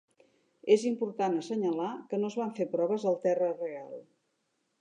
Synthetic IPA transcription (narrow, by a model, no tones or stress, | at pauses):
ezimpuɾt̪anəsəɲəlakənoəzβaɱfepɾɔβəzəlˠt̪ɛrərealˠ